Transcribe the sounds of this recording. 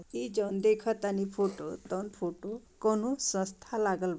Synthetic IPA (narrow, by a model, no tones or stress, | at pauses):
id͡ʒɔnd̪ekʰɔt̪anipʰoʈo̰t̪ɔnpʰoʈokɔnusɔ̃st̪ʰalaɡəlba